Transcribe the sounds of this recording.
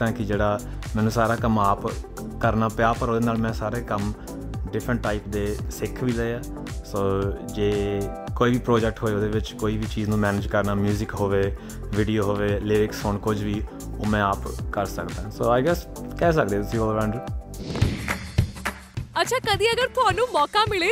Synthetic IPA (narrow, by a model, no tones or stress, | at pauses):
t̪ãːkɪd͡ʒeːɽaː | mɛ̃ːnũːsaːɾaːkəmaːp | kəɾnaːpjaːpəɾoːd̪eːnaːlmɛ̃ːsaːɾeːkəm | ɖɪpʰɾəɳʈːaːiːpd̪eːsɪkʰʋiːləeaː | soːd͡ʒeː | koːiːʋiːpɾoːd͡ʒɛk̚ʈɦoːeːoːd̪eːʋɪt͡ʃkoːiːʋiːt͡ʃiːznũːmɛːnɪːd͡ʒkəɾnaːmjuːzɪkɦoːʋeː | ʋɪːɖijoːɦoːʋeːlɪɾɪksɦoɳkʊd͡ʒʋiː | oːmɛ̃ːaːpkəɾsəkd̪aːɦɛ̃ːsoːaːɪɡɛːskɛːs̬ək̚d̪eɛːt̪ʊsĩoːdʋɛ̃ːɳɖəɾ | ətːʃʰaːkəd̪iːəɡəɾt̪ʊaːnũːmɔːkaːmɪleː